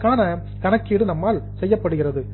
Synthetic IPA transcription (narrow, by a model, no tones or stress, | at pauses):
kːaːnɐ | kɐnɐkːiːɽɯnɐmːaːlsɛjːɐpːɐɽɯɣɪrɐðɯ